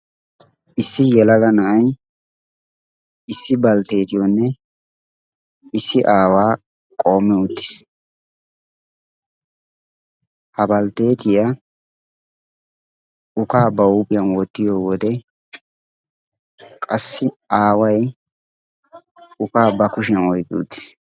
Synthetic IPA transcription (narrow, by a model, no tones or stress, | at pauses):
ʔɪsːɪjɛlɐlɐnɐʔɐj | ɪsːɪbɐlt̪e̞ːt̪ɪjɔnːɛ | ɪsːɪʔaːwaː | kʼo̞ːmːɛʊt̪ːɪ̥s | hɐbɐlt̪e̞ːt̪ɪjɐ | ʊkaːbɐuːpʼɪjɐnwɔt̪ːɪjoːwɔd̪ɛ | kʼɐsːɪaːwɐj | ʊkaːbɐkʊʃ̬ɪɐnɔjɡɪʊ̰d̪ːɪ̥s